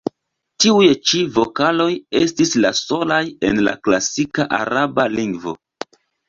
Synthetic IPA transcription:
tiujet͡ʃivo̞kalo̞je̞stislaso̞laje̞nla̰klasikaʔa̰ɾabaliŋɡvo̞̰

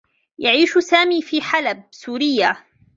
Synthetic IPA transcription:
jaʕiːʃsaːmiːfiːħalab̚suːɾɪjːa

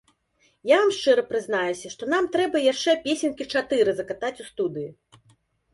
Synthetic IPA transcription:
javamʂt͡ʂɛɾɐpɾɨznajusʲɐʂt̪ɔn̪amt̪ɾɛbɐjaʂt͡ʂɛpʲesʲɛnkʲit͡ʂat̪ɨɾɨzɐkat̪at͡sʲust̪ud̪ɨji

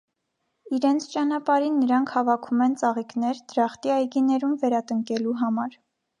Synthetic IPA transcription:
iɾɛnt͡sʰt͡ʃɑnɑpɑɾinːəɾɑŋkʰhɑvɑkʰumɛnt͡sɑʁiknɛɾd̪̥ɾɑχt̪iɑjɡinɛɾumvɛɾɑt̪əŋkɛluɦɑmɑɾ

